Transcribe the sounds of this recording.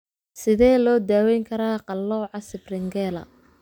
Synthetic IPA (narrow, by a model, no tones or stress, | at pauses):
sɪðɛːlɔːd̪aːwɛjŋkʰɐɾaːqɑlːɔːʕɑsɪbrɪŋɡɛːlɐ̰